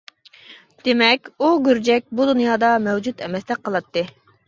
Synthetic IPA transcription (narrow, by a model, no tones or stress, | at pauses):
d̪̥emɛkʲuɡʲøɾd͡ʒɛk̚ʲbud̪unjɑːd̪ɑmɛwd͡ʒut̪ʰɛmɛsd̪ɛk̚qʰːəlˠɑt̪ːɨ